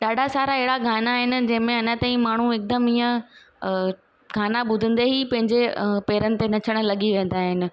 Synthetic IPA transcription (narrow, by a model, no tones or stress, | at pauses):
ɗaːɖʱasaːɾaɪɦɪɽaɡʱaːnaːɦɪnɪ̆d͡ʑɐ̃ɦɪ̃mẽɐnət̪ãːĩmaːɳ̤uɪk̚d̪əmiːə̃ | ɡʱaːnaɓʊd̪ʱə̃nd̪eɦipɐ̃ɦɪ̃ɲd͡ʑepeːɾənɪ̆t̪enɐt͡ɕʰəɽ̃̆lɐɠiʋẽːnd̪aːɦɪnɪ̆